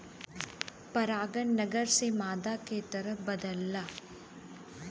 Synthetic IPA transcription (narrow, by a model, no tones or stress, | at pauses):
pɐɾaːɡɐnːɐɡɐɾsemaːd̪aːkeːt̪ɐɾɐbɐd̪ɐlːɐ